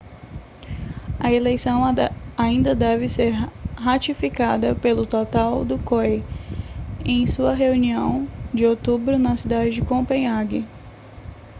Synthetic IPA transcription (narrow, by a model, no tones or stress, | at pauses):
ɐelejsɐ̃w̃aĩnd̪ɐd̪ɛvɪseɾɦat͡ʃifikad̪ɐpelʊt̪ot̪awd̪ʊkoj | ẽj̃suɐɦeuniɐ̃w̃d͡ʒɪowt̪ubɾʊnɐsid̪ad͡ʒɪd͡ʒɪkõpẽjaɡɪ